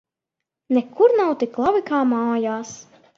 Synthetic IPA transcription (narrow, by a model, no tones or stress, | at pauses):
nɛkʰuɾnawt̪iklˠavikaːmaːjaːs